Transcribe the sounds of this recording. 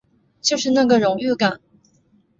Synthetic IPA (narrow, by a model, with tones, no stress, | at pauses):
t͡ɕjo˥˧ʊʂɻ̩˥˧na˥˩ɡə˩ɻʊ˧˥ŋy˥˩ka˨˩˦n